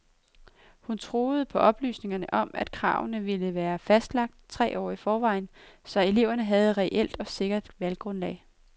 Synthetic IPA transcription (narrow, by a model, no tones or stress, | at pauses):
hunt͡sʰʁo̝ːð̞̩ˠəpʰɒ̽ʔɒ̽b̥ly̰ːsne̝ŋɐnəʔɒ̽mæd̥̚kʰʁɑ̰̈ːʊnəʋiləʋæːɐfæsd̥lɑ̈ɡ̥̚d̥t͡sʰʁɛ̰ːɒ̰ːifɒːʋɑ̈ɪ̰nsɒ̽e̝le̝ʊɐnəɦæð̞̩ˠʁɛʔel̰d̥ɒ̽se̝ɡ̥ɐd̥ʋælɡ̥ʁɔnlɛ̰ːɪ